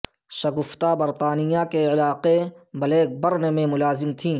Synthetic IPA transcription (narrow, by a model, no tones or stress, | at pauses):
sɐɡʊft̪abɐɾt̪aːnɪjakeɪlaːqebɐleːk̚bɐɾnemẽmʊlaːzɪmt̪ʰĩː